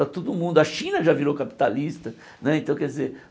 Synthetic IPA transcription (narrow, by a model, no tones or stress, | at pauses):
ɾɐt̪od̪ʊmũnd̪ʊɐʃĩnɐʒaviɾowkapi̥t̪alist̪ɐ | nɛẽt̪ɐ̃w̃kɛd͡ʒ̪izeɾ